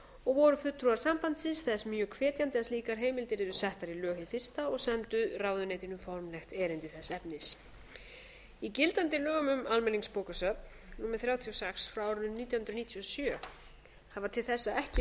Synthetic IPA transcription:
ɔɣvɔɾʏfʏt̪ːɾuaɾ̥sampant̪sɪsθɛsmjœkʰvɛːt̪jant̪ɪast̪iːkaɾ̥ɦeːjmɪlt̪ɪɾɪðʏsɛht̪aɾilœːhɪfɪr̥st̪aɔɣsɛnt̪ʏraːwðʏneːjt̪ɪnʏmfɔɾmlɛxt̪ɛːɾɪnt̪ɪθɛsːɛpnɪs | icɪlt̪ant̪ɪlœːɣʏmʏmalmɛnːiŋkspoːwkasœp̪ | nuːmɪθɾjaːwt̪ʰiɔsɛksfɾaaːwɾʏnʏmniːt̪jawhnɾʏniːt̪ʰiɔsjœː | havat̪ʰɪlθɛsːaɛhcɪ

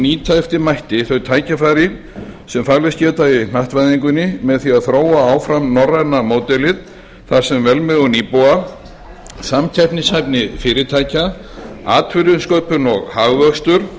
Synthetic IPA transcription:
niːt̪ʰaɛft̪ɪmajht̪ɪθœɥt̪ʰaːjcafaːjɾɪ | sɛmfaɣlɪscɛːt̪aɪnaht̪vajðiŋk̬ʏnːɪmɛðθiaðθɾoːwaaːwfɾamnɔrːanamoːwt̪ɛlɪð | θaɾ̥sɛmvɛlmɛɣʏniːpowa | samcʰɛjpnɪshajpnɪfɪːɾɪt̪ʰaːjca | a̰ːt̪ʰvʏɾʏnskœɥpʏnɔɣhaɣvœkst̪ʏɾ̥

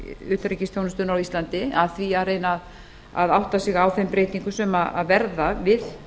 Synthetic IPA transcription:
ʏːt̪ɾecɪst̪jownʏst̪ʏnawist̪lant̪ɪaðθviaɾeːjnað | a̰ðawht̪asɪɣawθɛmpɾeːjt̪iŋkʏsɛmaa̰ðvɛɾðavɪð

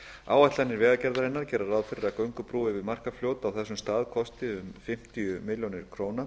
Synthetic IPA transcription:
a̰ːwajht̪lanːɪɾvɛːɣacɛɾðaɾɪnːaɾ̥cɛːɾaraːwðfɪɾɪɾakœɥŋkʏpɾuːvɪvɪðmar̥kafljoːwt̪awθɛsːʏmst̪aːðkʰɔst̪ɪʏmfɪm̥t̪ijʏmɪljonɪɾ̥kʰɾoːwna

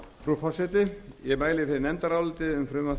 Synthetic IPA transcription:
fɾufɔsɛt̪ɪjɛmaːjlɪθenɛnt̪aɾawlt̪ɪʏmfɾʏːma

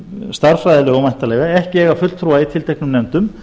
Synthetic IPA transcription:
st̪aɾfɾajðɪlɪɣamajn̥t̪alɛːɣaɛhcɪɛːɣafʏlt̪ʰɾuːait̪ʰɪlt̪ɛjknʏmnɛnt̪ʏm

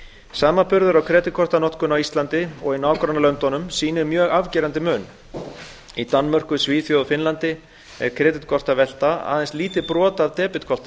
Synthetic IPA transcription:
saːmapʏɾðʏɾawkʰɾɛːt̪ɪkʰɔr̥t̪anɔt̪kʏnawist̪lant̪ɪɔɣɪnaːwkɾanːalœnt̪ɔnʏmsiːnɪmjœːɣavcɛːɾant̪ɪmœːn | it̪anːmœr̥kʏsviːθjowðfɪnlant̪ɪ | ɛ̰ɾ̥kʰɾɛːt̪ɪt̪kʰɔr̥t̪avɛl̥t̪aa̰ːðɛnst̪liːt̪ɪpɾɔːt̪aðt̪ɛːpɪt̪̚kʰɔlt̪a

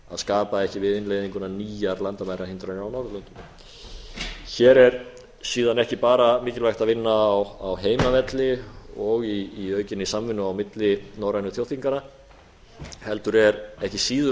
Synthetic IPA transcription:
a̰ðskaːpaɛhcɪvɪðɪnlejðiŋkʏnaniːjaɾlant̪amajɾaɪnt̪ɾanawnawɾlʏnt̪ | çɛːɾɛɾ | siːðanɛhcɪpaːɾamɪːcɪlvajxt̪aðvɪnːaːwawɦeːjmavɛt̪lɪɔɣiːœːɥcɪnisamvɪnːʏawmɪt̪lɪnoːwɾajnʏθʰjow̥θʰiŋkana | hɛlt̪ʏɾɛɾɛhcɪsiːðʏ

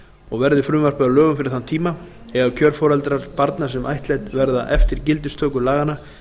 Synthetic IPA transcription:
ɔɣvɛɾðɪfɾʏːmar̥paðalœːɣʏmfɪɾɪ̥ɾ̥θant̪ʰiːma | ɛɣacʰœɾfɔːɾalt̪ɾaɾ̥paɾt̪naɾ̥sɛmʔa̰jht̪lɛjt̪vɛɾðaʔɛft̪ɪɾ̥cɪlt̪ɪst̪ʰœːkʏlaːɣana

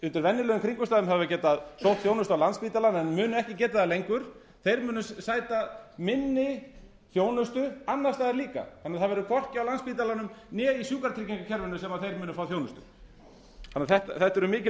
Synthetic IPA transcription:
ʏnt̪ɪɾvɛnːɪlœːðʏmkʰɾiŋkʏst̪aːðʏmɦavacɛːt̪aðsowht̪θjoːwnʏst̪awlanspiːt̪alanɛnmʏːnʏɛhcɪcɛːt̪aðalejŋkʏɾ̥ | θejɾmʏːnʏssaːjt̪amɪnːɪ | θjoːwnʏst̪ʏanːast̪aðɛɾliːka̰θanːaθaðvɛɾʏkʰvɔr̥cɪawlanspiːt̪̬alanʏmnɛːisjuːkaɾt̪ʰiciŋkacʰɛɾvɛnʏsɛmaðθejɾmʏːnʏfaːwθjownʏst̪ʏ̰ | θanːɪθɛht̪aθɛht̪ːɛɾʏmɪːcɪ

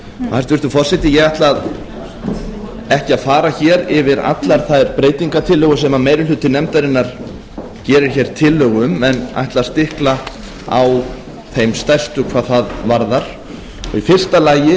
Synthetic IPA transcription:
haɾst̪vɪɾst̪ʏfɔr̥sɛht̪ɪjɛɣaht̪lað | ɛhcɪaðfaːɾaçɛːɾɪvɪɾa̰t̪laɾ̥θaðɛɾpɾeːjt̪iŋkat̪ʰɪlːœɣʏsɛmameːjɾɪlʏt̪ːɪnɛmt̪aɾɪnːaɾ̥ | cɛːɾɪɾ̥çɛɾ̥t̪ʰɪlːœːɣʏmɛna̰jht̪laɾ̥st̪ɪhkla | a̰w | θejmst̪ɛr̥st̪ʏkʰv̥aːðθaðvaɾðaɾ̥ | ɔ̰ɣifɪr̥st̪alaːjɪ

